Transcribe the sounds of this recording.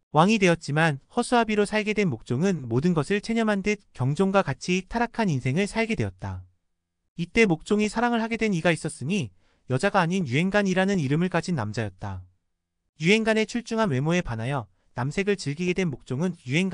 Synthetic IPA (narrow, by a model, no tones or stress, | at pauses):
waŋidwe̞ʌt̚t͡ɕ͈imanhʌsʰuabiɾosʰaɭɡe̞dwe̞nmok̚t͡ɕ͈oŋɯnmodɯnɡʌsʰɯɭt͡ɕʰe̞ɲʌmɦandwekjʌŋd͡ʑoŋɡwakat͡ɕʰitʰaɾakʰaninsʰe̞ŋɯɭsʰaɭɡe̞dwe̞ʌt̚t͈a | it͈e̞mok̚t͡ɕ͈oŋisʰaɾaŋɯɭhaɡe̞dwe̞niɡais͈ʌs͈ɯmi | jʌd͡ʑaɡaːɲinjuɦe̞nɡaɲiɾanɯniɾɯmɯɭk͈ad͡ʑʰinːamd͡ʑajʌt̚t͈a | juɦe̞nɡane̞t͡ɕʰuɭt͡ɕ͈uŋɦanwe̞moe̞panajʌ | namsʰe̞ɡɯɭt͡ɕɯɭɡiɡe̞dwe̞nmok̚t͡ɕ͈oŋɯnjuɦe̞nɡ